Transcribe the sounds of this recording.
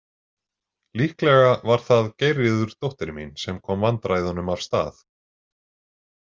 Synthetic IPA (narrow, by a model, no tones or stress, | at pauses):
lihklɛɣavaɾ̥θaðcejrɪðʏɾ̥t̪owht̪ɪɾminsɛmkʰɔːmvant̪ɾajðɔnʏmav̥st̪a̰ːθ